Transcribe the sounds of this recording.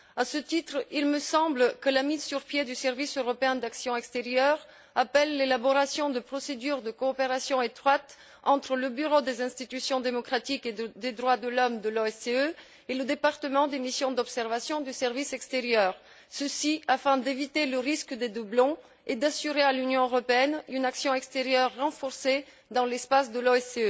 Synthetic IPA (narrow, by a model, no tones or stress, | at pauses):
asət̪it̪χilməsɑ̃blkəlamizsyʁpjed̪ysɛʁvisøʁɔpeɛ̃d̪aksjɔ̃ɛkst̪eʁjœʁ | apɛlːelabɔʁasjɔ̃d̪əpχɔsed̪yʁd̪əkoːpeʁasjɔ̃et̪χwat̪ | ɑ̃t̪χələbyʁod̪ezɛ̃st̪it̪ysjɔ̃d̪emɔkχat̪iked̪ed̪ʁwad̪əlɔmd̪əloɛseø | eləd̪epaʁt̪əmɑ̃d̪emisjɔ̃d̪ɔpsɛʁvasjɔ̃d̪ysɛʁvisɛkst̪eʁjœʁ | səsiafɛ̃d̪evit̪eləʁiskəd̪ed̪ublɔ̃ | ed̪asyʁealynjɔ̃øʁɔpeɛnynaksjɔ̃ɛkst̪eʁjœʁːɑ̃fɔʁse | d̪ɑ̃lɛspas̬d̪əloɛseø